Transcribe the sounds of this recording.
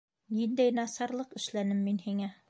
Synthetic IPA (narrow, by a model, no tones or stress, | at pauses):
nind̪æjnɑsɑɾlˠɤqɘ̆ʃlænɘmːinhiŋæ